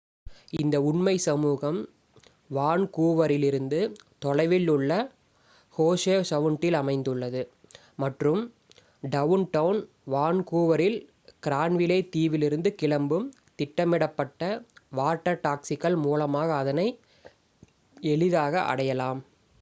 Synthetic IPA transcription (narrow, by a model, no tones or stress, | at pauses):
ɪnd̪ɐʊɳmɐɪsɐmuːɣɐm | ʋaːɳkuːʋɐɾɪlɪɾɯnd̪ɯt̪ɔɻɐɪʋɪlʊɭːɐ | hoːseːsɐʋʊɳʈːɪlɐmɐɪnd̪ɯɭːɐðɯ | mɐʈrɯm | ɖɐʋnʈɐʋn | ʋaːnkuːʋɐɾɪl | kɪɾaːɳʋɪlɐːt̪iːʋɪlɪɾɯnd̪ɯkɪɭɐmbɯm | t̪ɪʈːɐmɪɽɐpːɐʈːɐʋaːʈːɐɾʈaːksɪɣɐɭmuːlɐmaːɣɐːðɐnɐɪ | ɛɭɪðaːɣɐʔɐ̰ɽɐjɐlaːm